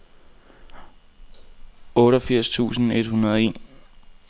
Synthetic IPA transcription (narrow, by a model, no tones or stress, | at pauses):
ɔ̽ːɾɒfiɐ̰st͡sʰṵːsn̩e̝d̥hunɐðˠɒe̝̰ːn